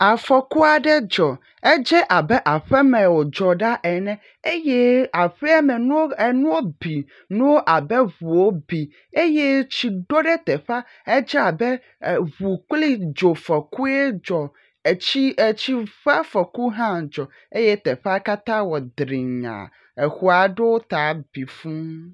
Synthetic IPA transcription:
a˨fɔ˨ku˦a˨ɖɛ˦d͡ʒɔ˨ | ɛ˦d͡ʒɛ˦ʔa˨bɛ˦ʔa˨ɸɛ˦mɛ̃˨wo˨d͡ʒɔ˨ɖa˦ʔɛ˨nɛ̃˦ | e˦jɛ˦a˨ɸɛ˦a˦mɛ˨nũ˦wo˦ɛ˨nũ˦wo˦bi˨ | nũ˦wo˦ʔa˨bɛ˦βu˨wo˦bi˨ | e˦jɛ˦t͡ɕi˨ɖo˦ɖɛ˦t̪ɛ˨ɸa˦ | ɛ˦d͡ʒa˨bɛ˦˨ | βu˨k͡pli˦d͡ʒo˨fɛ˨ku˦e˦d͡ʒɔ˨ | t͡ɕi˦e˨t͡ɕi˦va˦fɛ˨ku˦ɦã˦d͡ʒɔ˨ | e˦je˦t̪ɛ˨ɸa˦ka˦t̪ã˦wɔ˨d̪ɾi˨ɲã̰˨ | e˨xu˨a˨ɖe˦wo˦t̪a˨˦b̥i˨fũ˦

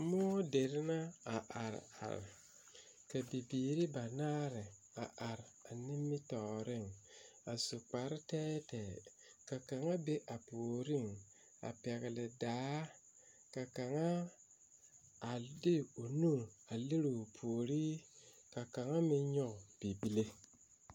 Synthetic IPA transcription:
mɔː˦de˨ɾɪ˦na˦a˨ʔa˨ɾ̰a̰˨ɾ̰ | ka˨bi˨biː˨ɾi˦ba˨naː˦ɾɪ˨ | a˨ʔa˨ɾa˨nɪ˦mːɪ˦tɔ˨ɾɪ˦˨ŋa˨su˨k͡pa˨ɾɪ˦tɛː˦tɛː˨ | ka˨ka˨ŋa˦be˦ʔa˨poː˨ɾi˦ŋ | a̰˨pɛ˨ɣɪ˨lɪ˨daː˨˦ | ka˨ka˨ŋa˦ | a˨di˦o˨nu˦˨ɾa˨li˦ɾo˨pʰoː˨ɾi˦ | ka˨ka˨ŋa˦mi˦ɲɔ˦ɡb̥i˨bi˦le˦

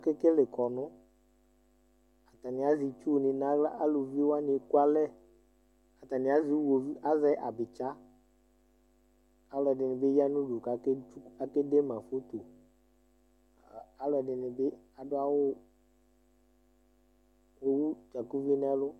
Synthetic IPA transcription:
ke˦ke˦le˨kɔ˨nʊ̃˦ | a˨t̪a˨nĩ˨a˨zi˨t͡ʃu˦wnĩ˨nã˨˦a˦lo˨vi˦wa˦nĩ˨˦ku˦a˦lɛ˦ | a˨t̪a˨nĩ˨˦a˨˦zi˨˦wo˨vi˦ʔa˦zɛ˦ʔa˨bɪ˨t͡ʃa˦ | a˨˦lɔ˨ɖɪ˨nɪ̃˨be˦ja˦nũ˦ɖu˨ka˨˦ke˦u˦a˨ke˦de˦mã˨fo˦t̪o˨ | a˨lɔ˨ɖɪ˨nɪ̃˨be˦ | a˨ɖʊ˦a˦wo˦ | wo˦wu˦t͡ʃa˨ku˦vi˦n˦a˦lo˦

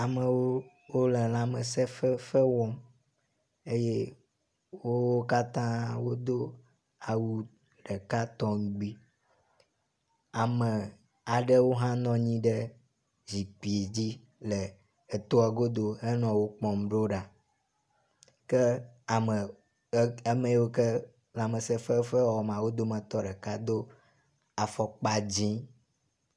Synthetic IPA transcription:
a˨mə˨wo˦ | wo˦lɛ˨lã˨mə˨sɛ˦fɛ˦fɛ˦wɔ̃˦ | e˦je˦ | wo˦wo˦ka˦t̪ã˦wo˦d̪o˦ | a˨wu˦ | ɖɛ˨ka˦t̪ɔ̃˦ŋ˦ɡ͡bi˦ | a˨mə˨ | a˨ɖe˦wo˦ɦã˦nɔ̃˦ɲĩ˦ɖɛ˦ | zi˨k͡pi˨e˨d͡ʑi˦ | le˨ | e˨t̪o˦a˨ɡo˦d̪o˦e˦nɔ̃˨wo˦k͡pɔ̃˨m˨ɖo˦ɖa˨ | kɛ˦a˨mə˨˦ | e˦mẽ˨˦wo˦kɛ˦ | la˨mə˨se˦fe˦fɛ˦wɔ˨m˨ã˨wo˦d̪o˦mə̃˨t̪ɔ˦ɖɛ˨ka˦d̪o˦ | a˨fɔ˦k͡pa˦d͡ʑĩ˦

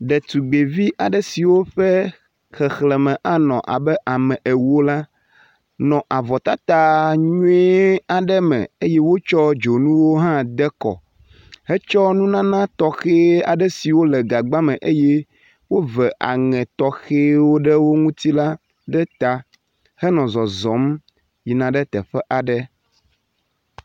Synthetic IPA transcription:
ɖɛ˨t̪u˨ɡ͡be˨vi˦ʔa˨ɖɛ˦si˨wo˦ɸɛ˦ | xɛ˨xlɛ˨mɛ̃˨ʔa˦nɔ̰̃˨ʔa̰˨bɛ˦ʔa˨mɛ̃˨ʔe˨wo˦la˦ | nɔ̃˨ʔa˨vɔ˨t̪a˦t̪a˦ɲũ˦ɛ˦a˨ɖɛ˦mɛ̰̃˨e˦je˦wo˦t͡ʃɔ˦d͡ʒo˨nũ˦wo˦ɦã˦d̪ɛ˦kɔ̰˨ | he˦t͡ʃɔ˦nũ˦nã˦nã˦t̪ɔ˦xe˦a˨ɖɛ˦si˨wo˦lɛ˨ɡa˨ɡ͡ba˦mɛ̃˨ʔe˦je˦ | wo˦vɛ˨ʔa̰˨ŋɛ̃˨t̪ɔ˦xe˦wo˦ɖɛ˦wo˦ŋũ˦t̪i˦la˦ | ɖɛ˦t̪a˨ | hɛ˦nɔ̃˨zɔ˨zɔ̃˨˦m | ji˨nã˨ɖɛ˦t̪ɛ˨ɸɛ˦ʔa˨ɖɛ˦

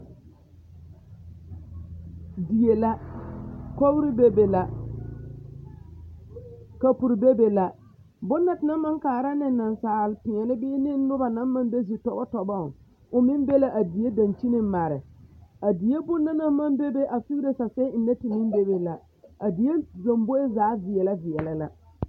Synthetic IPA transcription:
di˨je˨la˦ | ko˦wɾɪ˦be˦be˨la˨ | ka˨pu˨ɾbe˦be˨la˨ | bʊ˦nːa˨tɪ˨na˦ma˦ŋkaː˨ɾa˦nɪ˦˨˦na˨nsaː˨lɪ˨pɪ̃˨ɛ˨lɪ˦bɪː˦nɪ˦nʊ˦ba˨na˦m˦ma˦mbe˦zi˨tɔ˨bɔ˦tɔ˨bɔ˦˨ | ʊ˨mɪ˦mbe˦la˦ʔa˨di˨je˦da˨nt͡ʃi˦nɪ˨˦ma˨ɾɪ˨a˨di˨e˦bʊ˦nːa˦na˦ma˦mbe˦be˦ʔa˨fi˦i˦ɾe˦sa˨sɛ˦ɪ˨ne˦tɪ˨mɪ˦mbe˦be˨la˨ | a˨di˨˦e˦zo˨mbo˦e˦zaː˨˦vɪ˨ɛ˨la˦vɪ˨ɛ˨lɪ˨la˦

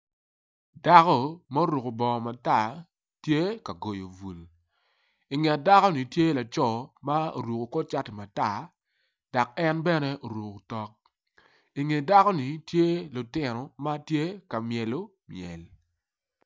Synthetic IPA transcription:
da˦kɔ˦ma˦o˦ɾu˨ko˨bɔ˨ma˨ta˦˨ | tje˦ka˨ɡo˨jo˨vu˨l | i˨ŋɛ˨da˦kɔ˦ni˨tje˦la˨t͡ʃɔ˦˨ma˦o̰˨ɾu˨ko˨kɔ˦t͡ʃa˦tɪ˨ma˨ta˦˨ | d̥a˨k̚ɛ˦nbɛ˦nɛ˦ʔo˨ɾwu˨ko˨tɔ˦k̚ | i˨ŋe˨da˦kɔ˦ni˨tje˦lʊ˨tɪ˨nɔ˨ma˦tje˦ka˨mjɛ˨lo˦ | mjɛ̰˨l

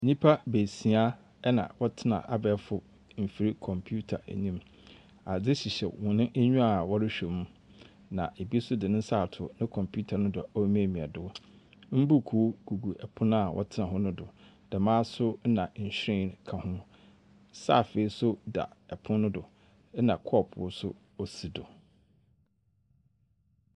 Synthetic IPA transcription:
ɲĩ˦pʰa˦be˨si˨a˦ | ɛ˦nã̰˨wɔ˦tʰɪ˦nã̰˨ʔa˨bɛ˨˦fʊ˨ | m̩˨fi˨ɾi˦kʰɔ̃˨mpʰju˦tʰa̰˨ɲĩ˦m | a˨d͡zɪ˦ɕi˨ɕɛ̰˨wɔ̃˨nʊ̃˦ʔæ˦ɲũ˦a˨wɔ˦ɾɪ˦ɕᶣɛ˨mũ˦ | nã̰˨ʔe˨bi˦sʊ˦dɪ˨nʊ̃˦saː˦˨tʰʊ˨nɪ̃˦kʰɔ̃˨mpʰu˦tʰa˨nʊ̃˦dʊ˨ɔ˦m˦˨mĩ˨ɛ̰˨dʊ˦ | m̩˦bu˦˨kʰu˦ɡ̥u˨ɡu˨ʔɛ˨pʰʊ̃˦n˦a˨wʔɔ̰˦tʰɪ˦nã˨ɦʊ̃˦nʊ̃˦dʊ˨ | d̥ɛ˨mãː˦sʊ˦nã˨ɲ̩˨ɕᶣɾɛ̃˦˨kʰã˨hʊ̃˦ | sa̰˦˨fe˨i˦sʊ˦da̰˨ɛ˨pʰʊ̃˦nʊ̃˦dʊ˨˦ | nã˨kʰɔ˦˨pʰʊ̰˨ʊ˦sʊ̰˦ | o˦si˨dʊ˨

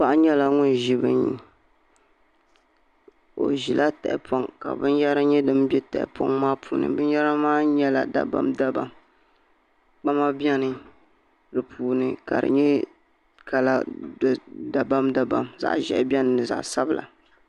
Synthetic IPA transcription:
pa˦ʔɲɛ˦la˨ŋʊ˦n˨ʒi˦bɨ̰˦ni˨˦ | o̰˨ʒi˨lʔa˦tɛ̰˨ʔɪ˨po˦ŋka̰˨bɨ˦njɛ˦ɾɨ˦ɲɛ˦dɨ˦m˦bɛ˦tɛ̰˨ʔɪ̰˨pʰo̰˦ŋmaː˦pʰuː˨nɨ̰˨bɨ˦n˦jɛ˦ɾa˦maː˦ɲɛ˦la̰˨da̰˨ba̰˦mda˦ba̰˨m | k͡pa˦ma˦bjɛ˦nɨ˨ | dɨ˨pʰuː˨nɨ˦ka̰˨ɾɨ̰˨ɲɛ˦ | ka˨la̰˦ | da˨ba˦mda˦ba̰˨mza̰˨ʔʒɛ̰˨ʔbʲɛ˦nɨ˨nɨ˨za̰˨ʔsa˦bɨ˨lʔa̰˨

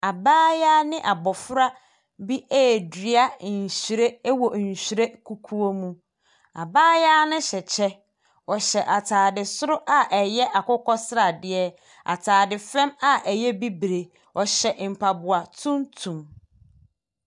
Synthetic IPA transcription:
a˨baː˦jaː˦nɪ̃˦ʔa˨bɔ˨fʊ˦ɾa˦ | bi˦ʔeː˦˨di˨˦a˦˨n̩˨ɕi˨ɾe˦wɔ˨n̩˨ɕi˨ɾe˦kʰu˨kʰu˦o˦mũ˦ | a̰˨baː˦jaː˦nʊ̃˦ɕɛ˨t͡ɕʰɛ˦ | ɔ˨ɕɛ˨ʔa˨tʰaː˨dɪ˨sʊ˦ɾʊ˦ʔa˦ʔɛ˨jɛ˦ʔa˨kʊ˦kʰɔ˦sɪ˦ɾa˨dɪ˦ɛ˦ | a̰˨tʰaː˨dɪ˨fɾɛ̃˦ma˦ɛ˨jɛ˦bi˦bɾe˨ | ɔ˨ɕɛ˨m̩˨pʰa˨bʊ˨a˨tʰũ˦ntʰũ˨m

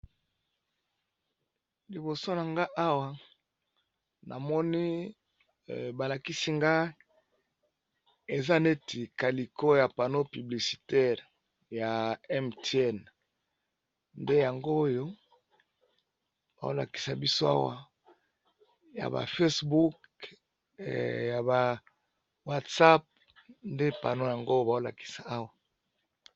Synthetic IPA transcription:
li˨bo˨so˦na˨ŋɡa˦ʔa˦wa˨ | nʔa˨mɔ˦ni˦ | ba˨la˨ki˦si˦ŋɡa˦ | e˨za˦ne˦ti˨ka˨li˨ko˦ja˨pa˨no˦py˨bli˨si̥˨tɛ˦˨ʁ | ja˨ɛ˦mte˦ɛ˦˨n | nde˦ja˨ŋɡoː˦jo˦ | b̥a̰˨o̰˦la̰˨ki̥˨sa˨bi˦so˦a̰˦wa̰˨ | ja̰˨ba̰˨fe˦sbu˦k | ja˨ba˨ | wa˦tsa˦p̚ | nde˦pa̰˨no˦ja˨ŋɡo˦jba˨o˦la̰˨ki̥˨sa˨a˦wa˨

